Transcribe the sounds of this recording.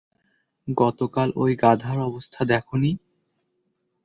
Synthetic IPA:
ɡɔt̪okalojɡad̪ʱaɾɔbost̪ʰad̪ɛkʰoni

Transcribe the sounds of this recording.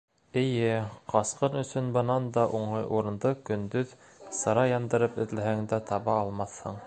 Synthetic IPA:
ɘ̆jɘqɑsqɤnɵ̆sɵnbɤ̆nɑnd̪ɑʔuɴɤjʔuɾɤ̆nd̪ɤkɵ̆nd̪ɵð | sɤ̆ɾɑjɑnd̪ɤ̆ɾɤpɵ̆ðlæɦæŋd̪æt̪ʰɑβɑːlˠmɑθhɤ̰ɴ

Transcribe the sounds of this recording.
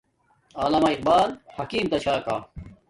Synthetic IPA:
aːlɐmaːiq̚baːlhɐkiːmt̪ɐɕʰaːkaː

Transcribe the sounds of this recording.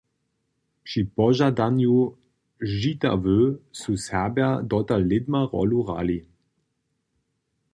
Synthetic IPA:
pʂipɔʒad̪anju | ʒita̰vøsusɛɐbɛɐd̪ɔt̪alːɪd̪maʁɔ̰luʁa̰li

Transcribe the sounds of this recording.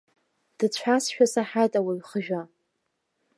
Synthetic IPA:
d̥ɨt͡ɕʷʰasʃᶣasaħajtʼawaɥχəʒᶣa

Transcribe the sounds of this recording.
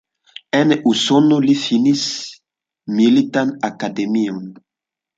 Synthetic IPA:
enusonolifinis | milit̪anakademiõn

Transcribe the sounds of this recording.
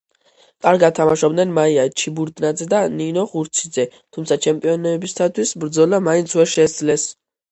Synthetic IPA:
kʼaɾɡat̪ʰːamaʃɔbd̪nɛnmaiat͡ʃʰibuɾd̪nad̪zɛd̪aninɔʁuɾt̪sʰid̪zɛt̪ʰumt̪sʰat͡ʃʰɛmpʼiɔnɛɛbist̪ʰat̪ʰwisbɾd̪zɔlamaint̪sʰwɛɾʃɛsd̪zlɛs

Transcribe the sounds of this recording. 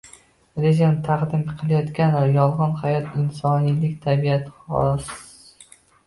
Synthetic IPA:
ɾezant̪ʰaqd̪ɪmqʰɨlˠajɒt̪kʲanajɒlˠʁɒnhajɒt̪ʰɪnsɒnijlɪkʲt̪ʰabiat̪ʰɪχɒ̰s

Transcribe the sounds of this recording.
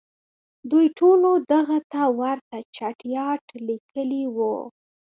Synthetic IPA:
d̪ujʈonod̪aɣat̪awaɾt̪at͡ʃaʈjɑʈlikʰəliwṵ

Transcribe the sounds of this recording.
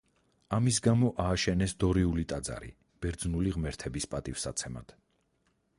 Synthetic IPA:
amisɡamɔʔaːʃɛnɛsd̪ɔɾiulit̪ʼad̪za̰ɾḭ | b̥ɛɾd̪znuliʁmɛɾt̪ʰɛbispʼat̪ʼifsat̪sʰɛma̰d̪̥

